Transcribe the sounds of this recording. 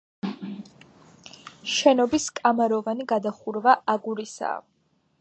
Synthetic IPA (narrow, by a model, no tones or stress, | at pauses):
ʃɛnɔbiskʼamaɾɔvaniɡad̪aχuɾvaʔaɡuɾisa̰